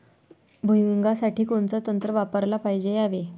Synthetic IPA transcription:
bʱujʋiŋɡasaʈiːkoɳt͡sət̪ənt̪ɾəʋapəɾlapajd͡ʑeaʋe

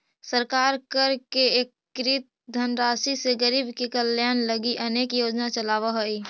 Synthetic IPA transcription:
səɾkaːɾkəɾkeeːkːɾit̪̚d̪ʱənɾaːsiseɡəɾiːbkikəljaːnləɡiʔɐneːkjoːd͡ʒnat͡ʃəlaːʋaɦoiː

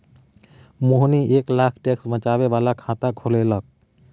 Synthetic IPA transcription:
moɦnieːklaːkʰʈeksbə̃t͡ʃaːʋeʋaːlakʰãt̪akʰolelək̚

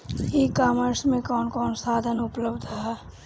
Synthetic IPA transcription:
ɦiːkaːməɾsmẽkɔːnkɔːnsaːd̪ʱənʊpləbd̪ɦɛː

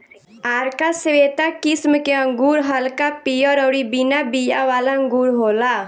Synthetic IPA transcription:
aːɾkaseʋeːt̪akɪsmkeə̃ŋɡuːɾɦəlkapijɔɾɔːɾibinabijaʋaːlaə̃ŋɡuːɾɦoːla

